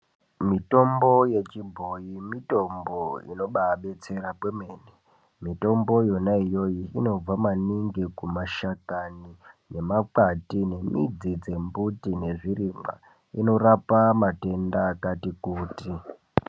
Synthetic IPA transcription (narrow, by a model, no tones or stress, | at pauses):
mito̞mbo̞je̞t͡ʃibʱo̞jimito̞mboḭno̞ɓaɓe̞t͡se̞ɾakwemeːne | mito̞mbo̞jo̞naijo̞jiːno̞b͡vamaniŋɡekumaʃakanine̞maǃatine̞mḭd͡zid͡ze̞mbutine̞ʐirima̰ | ino̞rapamate̞ndaːkatikuːti